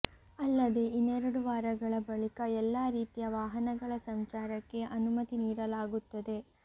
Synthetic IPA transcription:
ɐlːɐd̪e̞ʔinːɛɾɐɽuʋaːɾɐɡɐɭɐbɐɭikɐɛlːaːɾiːt̪ijɐʋaːɦɐnɐɡɐɭɐsɐmt͡ʃaːɾɐkːe̞ʔɐnumɐt̪iniːɾɐlaːɡut̪ːɐd̪e̞

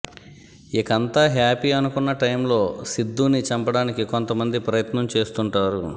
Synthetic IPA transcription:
ikɐnt̪aːɦaːpiɐnukunːɐʈɐjmlo̞ːsid̪ːuːnit͡ʃɐmpɐɽaːnikiko̞nt̪ɐmɐnd̪ipɾɐjɐt̪nɐmt͡ʃe̞ːst̪uɳʈaːɾu

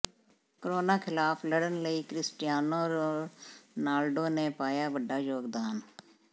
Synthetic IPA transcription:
kəɾoːnaːkʰɪlaːpʰləɽənləiːkɾɪsʈɪjaːnõːɾoːnaːlɖoːneːpaːjaːʋəɖːaːjoːɡd̪aːn

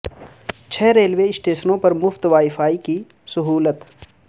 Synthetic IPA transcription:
t͡ʃʰɛːɾeːlʋeɪsʈeːʃənõpɐɾmʊft̪ʋaːɪfaːiki | sɐɦuːlət̪

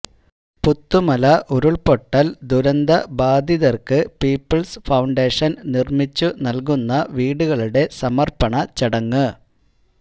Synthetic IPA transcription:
put̪ːumɐlɐʔuɾuɭpo̞ʈːɐld̪uɾɐnd̪ɐbaːd̪iðɐrkɨpiːpːɐɭsfɐwɳɖeːʂɐnnirmit͡ɕːunɐlk̬unːɐʋiːɽuɣɐɭuɽe̞sɐmɐrpɐɳɐt͡ɕiɽɐŋːɨ

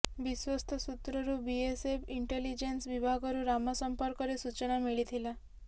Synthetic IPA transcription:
biswɔst̪ʰɔsut̪ɾɔɾubiesepʰiɳʈelid͡ʒensʋibʱaɡɔɾuɾamɔsɔmpɔɾkɔɾesut͡ʃɔnamiɭit̪ʰila

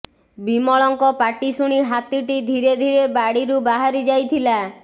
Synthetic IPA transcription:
bimɔɭɔŋkɔpaʈisuɽ̃iɦat̪iʈid̪ʱiɾed̪ʱiɾebaɽiɾubaɦaɾid͡ʒajt̪ʰila

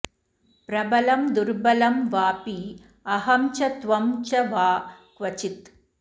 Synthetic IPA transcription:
pɾɐbɐlɐmd̪uɾbɐlɐmʋaːpi | ɐɦɐmt͡ʃɐt̪ʋɐmt͡ʃɐʋaːkʋɐt͡ʃit̪

